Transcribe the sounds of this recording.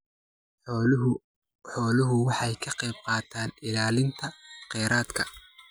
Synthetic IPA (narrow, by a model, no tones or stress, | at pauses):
ħɔːlʊɦʊwɑħɑjkʰɐqɛjb̚qɑːt̪ʰaːnɪlaːlɪnt̪ʰɐqɛːɾʔaːd̪kʰɐ